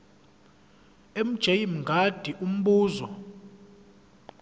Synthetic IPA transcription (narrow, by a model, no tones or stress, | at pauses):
em̩d̥ʒ̥ʱejim̩ŋɡʱad̥ʱiʔum̩ɓuːzɔ̰